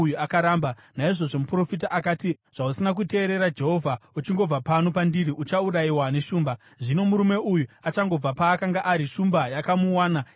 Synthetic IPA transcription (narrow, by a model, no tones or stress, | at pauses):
ujuakaɾaːmbanaiʐo̞ʐo̞mupuro̞fit̬aʔakaːti | ʐ̥ausinak̬ute̞ːɾe̞ɾad͡ʒe̞ɦo̞vʱaut͡ʃiŋɡo̞b͡vapano̞pandiriʔut͡ʃauɾaiwane̞ʃuːmba | ʐino̞muɾume̞ʔujuat͡ʃaŋɡo̞b͡vapaːkaŋɡaʔaɾiʃumbajakamuwaːna